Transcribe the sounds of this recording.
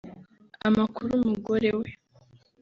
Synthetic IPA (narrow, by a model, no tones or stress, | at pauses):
amakuɾumuɡo̞ɾe̞we